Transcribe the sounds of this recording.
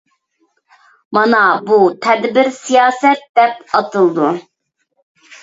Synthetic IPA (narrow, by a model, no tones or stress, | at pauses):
mɑnɑbut̪ʰɛd̪bɪɾsijɑːsɛt̪̚d̪ɛp̚ɑt̪ɨlˠd̪u